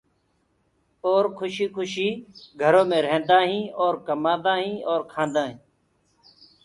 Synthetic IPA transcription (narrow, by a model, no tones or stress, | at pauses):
oːɾkʰʊʃiːkʰʊʃiːɡʱəɾõːmẽːɾẽːnd̪aːɦĩːoːɾkəmãːd̪ãːɦĩːoːɾkʰãːnd̪ãːɦĩː